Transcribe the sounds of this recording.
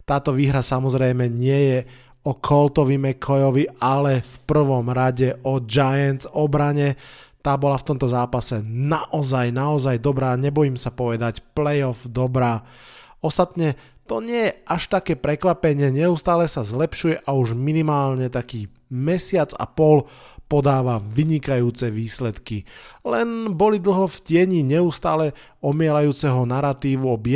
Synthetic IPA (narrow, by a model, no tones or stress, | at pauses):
t̪aːt̪ɔʋiːɦɾasamɔzɾɛjmɛɲɪɛjɛ | ɔkʰɔlt̪ɔʋimɛkʰɔjɔʋialɛfpr̩ʋɔmɾaɟɛʔɔd͡ʒajɛnt͡sɔbɾaɲɛt̪aːbɔlaft̪ɔmt̪ɔzaːpasɛnaʔɔzajnaɔzajd̪ɔbɾaːɲɛbɔjiːmsapɔʋɛd̪acplɛjɔfd̪ɔbɾaː | ɔst̪at̪ɲɛ | t̪ɔɲɪɛjɛʔaʃt̪akɛːpɾɛkʋapɛɲɪɛɲɛust̪aːlɛsazlɛpʃujɛʔauʒminimaːlɲɛt̪akiː | mɛsɪad͡za̰pɔl | pɔd̪aːʋaʋiɲikajuːt͡sɛʋiːslɛt̪kilɛnbɔlid̪l̩ɦɔfcɪɛɲiːɲɛust̪aːlɛ | ɔmɪɛlajuːt͡sɛɦɔnaɾat̪iːʋuɔb